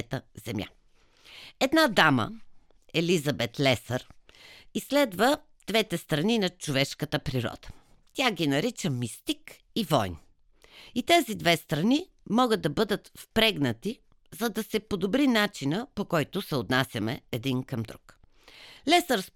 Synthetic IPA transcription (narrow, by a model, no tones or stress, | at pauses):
t̪əzɛmja̰ | ɛd̪nad̪amə̰ | ɛlizɐbɛt̪lɛsəɾ | isːlɛd̪və | d̪̥vɛt̪ɛst̪ɾɐninɐt͡ʃovɛʃkət̪əpɾiɾɔ̰d̪̥ə̥ | t̪ʲaɡʲinɐɾit͡ʃəmist̪ik | ivɔjn | it̪ɛzid̪vɛst̪ɾɐni | mɔɡəd̪̚ːɐbɤd̪ət̪fpɾɛɡnət̪i | zɐd̪ɐsɛpod̪obɾinat͡ʃinəpokɔjt̪ʊsɛot̪nasʲjɐmɛɛd̪inkɐmd̪ɾuk | lɛsəɾs